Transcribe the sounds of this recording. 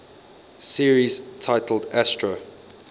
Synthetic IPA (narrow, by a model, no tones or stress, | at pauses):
siəɹiz̥tʰaɪtʰl̩dæstɹə